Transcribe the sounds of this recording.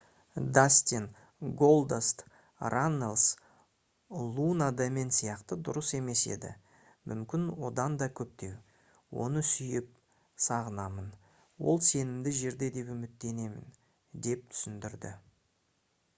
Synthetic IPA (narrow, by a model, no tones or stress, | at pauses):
d̪asʲt̪ʲin | ɡolˠd̪est̪ | ranːelˠs | lˠunad̪ɑme̞nsijɑqt̪əd̪ʊɾəse̞me̞se̞̰d̪ɪ̰ | mʔʏ̰mkʲɪnwo̞d̪ɑnd̪ɑkʲʰɵp̚t̪e̞w | wo̞̰nəsʏjɪp̚ | sɑʁənɑmən | wo̞̰lˠse̞nɪmd̪ɪʒe̞ɾd̪e̞d̪e̞pʏmɪt̪ːe̞ne̞mɪ̰n | d̪e̞p̚t̪ʰʏ̥sɪnd̪ɪɾd̪ɪ̰